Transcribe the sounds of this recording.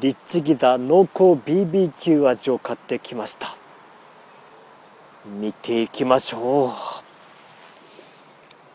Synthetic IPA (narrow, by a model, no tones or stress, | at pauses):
ɾʲit͡ɕiɡʲizano̞ːkoːbʲiːbʲiːkʲɨːaʑio̞kat̪ːe̞kʲʰimaɕi̥t̪ḁ | mʲit̪ʰe̞ikʲimaɕo̞ː